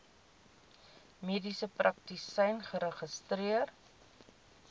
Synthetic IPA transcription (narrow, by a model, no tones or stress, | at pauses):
miədisəprʔɐk̚tisɛjnχəɾəχəstriər